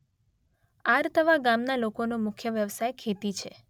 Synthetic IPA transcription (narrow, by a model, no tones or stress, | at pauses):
aɾt̪əʋaɡamnalokonomʊkʰjəʋjəʋsajkʰet̪it͡ʃʰe